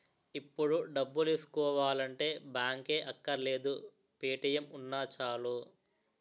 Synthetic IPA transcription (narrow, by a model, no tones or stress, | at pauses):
ipːuɽuɖɐbːuleːsu̥kɔːʋaːlɐɳʈe̞ːbjaːŋkeːʔɐkːɐɾle̞ːd̪u | piːʈɐjɐmunːaːt͡ʃaːlu